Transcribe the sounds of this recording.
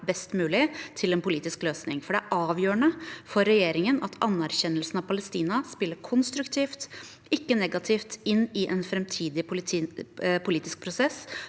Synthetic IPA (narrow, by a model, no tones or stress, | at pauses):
bɛst̪mʉːlɪt̪ʰɪlɛnpʊliːt̪ɪskløːsnɪŋfɔɖɛæɾʔɑːʋjøːəɳəfɔɾɛjeːɾɪŋənɑt̪ʰɑnːæɾçɛnːəlsn̩ɑʋpʰɑləst̪iːnɑspɪlːəɾkʰɔnst̪ɾʉkt̪ʰiːft̪ | ɪkːənɛɡɑt̪ʰɪft̪ɪnːɪʔɛnfɾɛmt̪ʰiːd̪ɪ | pʰʊliːt̪ɪsk̚pʰɾʊsɛs